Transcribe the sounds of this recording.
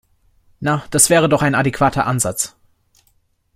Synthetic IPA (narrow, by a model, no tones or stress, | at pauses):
nad̥asv̥ɛːʁ̞ədɔχaɪnadekv̥aːtʰɐ̰ʔanzat͡s